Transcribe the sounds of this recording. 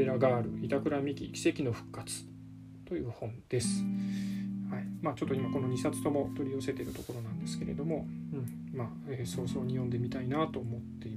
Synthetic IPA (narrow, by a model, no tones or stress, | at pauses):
eɾaɡaːɾɯ̟̰ʔit̪akɯ̟ɾamʲikʲḭkʲi̥se̞kʲino̞ɸɯ̥kːat͡sɨ̥ | t̪o̞jɯ̟ːhõ̞nd̪̥e̞sɨ̥ | haimaːt͡ɕo̞t̪ːoimako̞no̞ɲ̟isat͡sɨ̥t̪o̞mo̞t̪o̞ɾʲio̞se̞t̪e̞ɾɯ̟t̪o̞ko̞ɾo̞nãnd̪e̞sɨ̥ke̞ɾe̞̰d̪o̞mo̞ | ɯ̃ɴ | maː | eːso̞ːso̞ːɲ̟ijõ̞nd̪e̞mʲit̪ainat̪o̞ːmo̞t̪ːe̞i